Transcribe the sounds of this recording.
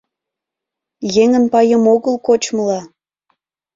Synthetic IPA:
jeŋənpɑjəmoɣəlkot͡ɕməlɑ

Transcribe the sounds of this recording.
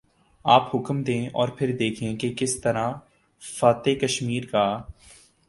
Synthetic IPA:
aːpɦʊkmd̪ẽːɔːɾpʰɪɾd̪eːkʰẽkekɪst̪ɐɾã | faːt̪ekɐʃmiːɾkaː

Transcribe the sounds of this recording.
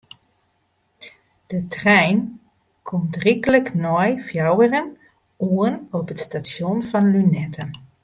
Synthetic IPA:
d̥ətrɛjn | kʰɔmtrikələknɔjfjɑwərən | uənɔpɦətstaʃɔnvɑnlynɛtʰən

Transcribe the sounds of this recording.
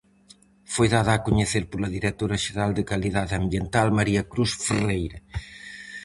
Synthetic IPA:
fojðaðɐːkuɲeθeɾpolɐðiɾet̪oɾɐʒeɾald̪ɪkɐliðaðɐmbjent̪almɐɾiɐkɾusferejɾɐ

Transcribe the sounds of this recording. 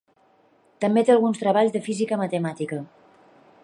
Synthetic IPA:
t̪əmbet̪elˠɣunst̪ɾəβ̞aʎzðəfizikəmət̪əmat̪ikə

